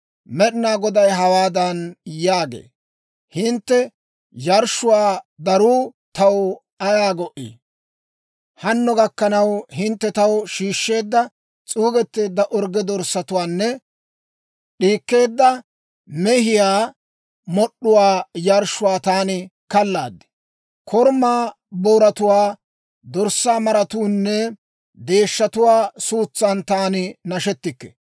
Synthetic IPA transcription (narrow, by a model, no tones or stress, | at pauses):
mɛɗɪnaːɡɔd̪ɐjɦɐwaːd̪ɐnjaːɡḛː | hɪnt̪ːɛ | jɐɾʃːʊwaːd̪ɐɾuːt̪ɐw | ɐjaːɡɔʔḭ | hɐnːɔɡɐkːɐnɐwhɪnt̪ːɛt̪ɐwʃiːʃːe̞ːd̪ːɐ | t͡sʼuːɡɛt̪ːe̞ːd̪ːɐʔɔɾɡɛd̪ɔɾsɐt̪ʊwaːnːɛ | ɗiːkːe̞ːd̪ːɐ | mɛɦɪjaː | mɔɗːʊwaːjɐɾʃʊwaːt̪aːnɪkɐlːa̰ːd̪ːɪ̥ | kʰɔɾmaː | boːɾɐt̪ʊwaː | d̪ɔɾsːaːmɐɾɐt̪uːnːɛ | d̪e̞ːʃːɐt̪ʊwaːsuːt͡sːant̪aːnɪnɐʃɛt̪ːɪkːɛ̥̰